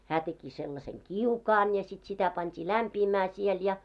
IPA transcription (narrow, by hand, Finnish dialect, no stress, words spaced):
hæː teki selːɑseŋ kiukɑːn jɑ sit sitæ pɑntʲiː læmpiːmæː siel jɑ